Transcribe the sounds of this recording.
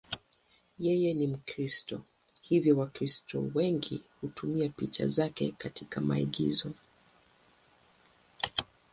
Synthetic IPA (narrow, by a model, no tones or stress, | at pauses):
jɛjɛnim̩kɾistɔ | hivjɔwakɾistɔ̰wɛŋɡihutumiapit͡ʃa̰zakɛ̰katikama̰ḭɡḭzɔ